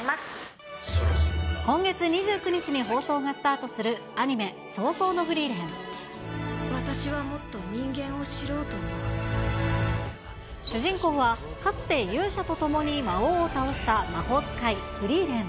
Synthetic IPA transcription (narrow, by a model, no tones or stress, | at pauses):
as | kõ̞ŋɡe̞t͡sɨɲ̟iʑɨːkɯ̟ɲ̟it͡ɕiɲ̟iɦo̞ːso̞ːɡasɨ̥t̪aːt̪o̞sɨɾɯ̟ | aɲ̟ime̞ | so̞ːso̞ːno̞ɸɯ̟ɾʲiːɾẽŋ̃ | βat̪aɕiβamo̞t̪ːo̞mʲĩŋɡẽ̞ɰ̃o̞ɕiɾo̞ːt̪omo | ɕɨʑĩŋko̞kːβa | kat͡sɨ̥t̪e̞jɯ̟ːɕat̪o̞t̪o̞mo̞ɲ̟imaoːt̪ao̞ɕi̥t̪amaho̞ːt͡sɨ̥kaiɸɯ̟ɾʲiːɾẽ̞ŋ